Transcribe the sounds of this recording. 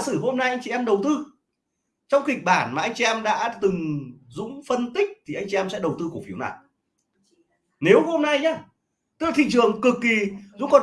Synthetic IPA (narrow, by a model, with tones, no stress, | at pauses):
sɨ˧˩ɦo˧mna˧jʔa˧jŋ̟t͡ɕi˧˨ɛ˧mɗə˨˩wt̪ɨ˧ | t͡ɕɔ˧wŋ͡mkï˨˩k̟̚ɓaː˧˩nmaː˨˩ʔa˧jŋ̟i˧ʔɛ˧mɗa̰ː˧˥t̪ɨ˨˩ŋzʊ̰˧˥ŋ͡mfə˧nt̪ï˦˥k̚t̪ʰi˨˩ʔa˧jŋ̟t͡ɕi˧ɛ˧msɛ̰˧˥ɗə˨˩wt̪ɨ˧ku˧˩əfi˨˦əwna̰ː˧˨j | ne˨˦wɦo˧mna˧jɲaː˧ | t̪ɨ˧˦˥laː˧t̪ʰḭ˧˨t͡ɕɨ˨˩əŋkɨ˨˩kːi˨˩zʊ̰˧˥ŋ͡mkɔ˨˩